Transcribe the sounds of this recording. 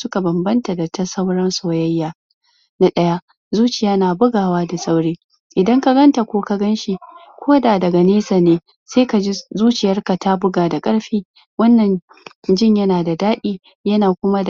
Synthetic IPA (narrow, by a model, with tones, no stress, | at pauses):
sʊ˦ka˨bɐ˨mbɐ˦nta˨da˨ta˦sa˦wɽɐ˦nsoː˨jɐ˦jːaː˨ | na˦ɗɐ˦ja˦ | zuː˦t͡ʃɪ˨jaː˦naː˨bʊ˦ɡaː˨waː˦da˨sa˦wɽeː˦ | ʔɪ˨dɐ˦ŋka˦ɡɐ˦nta˨kʷoː˦ka˦ɡɐ˦nʃi˦ | kʷoː˦daː˨dɐ˨ɡa˨neː˦sa˨neː˨˦ | seː˦ka˨d͡ʒi˦zuː˦t͡ʃɪ˨jɐ˦rka˨ta˦bʊ˦ɡaː˨da˨kʼɐ˦ɽɸiː˦ | wɐ˦nːɐ˨n | d͡ʒɪ˦ɲjɐ˦naː˨da˨daː˦ɗiː˦ | jɐ˦naː˨kʷʊ˦ma˦d